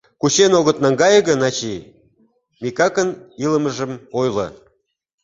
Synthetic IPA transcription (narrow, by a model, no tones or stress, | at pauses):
kut͡ɕenoɣə̆t̪nɑŋɡɑjəɣə̆nɑt͡ɕi | mikɑkəniləməʒəmojlə̰